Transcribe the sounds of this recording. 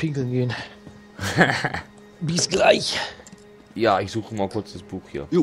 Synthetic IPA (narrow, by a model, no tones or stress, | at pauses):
pʰɪŋkl̩nɡen | bisɡ̥laɪç | jaːɪçz̥uːxəmaːkʰʊɐt͡sd̥asb̥uːxhḭːɐ